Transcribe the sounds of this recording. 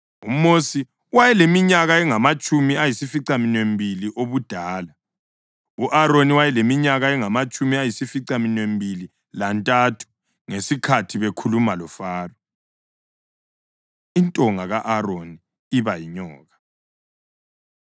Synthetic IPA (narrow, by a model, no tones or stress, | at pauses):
ṵmosi | wajɛlemiɲaɣaɛŋamat͡ʃʼumiajisifiǀaminwembʱiliʔoβud̥ʱaːla | uʔaɾoniwajɛlemiɲaɣaɛŋamat͡ʃʼumiajisifiǀaminwembili | lantʼatʰu̥ | ŋesikʰatʰiβekʰulumalɔfaːrɔ | intʼɔŋaɣaʔaɾoni | iβajiɲɔːɣa